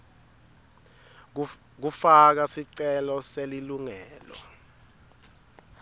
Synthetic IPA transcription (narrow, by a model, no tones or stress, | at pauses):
k̬ufak̬asiǀɛlɔseliluŋɛːlɔ̰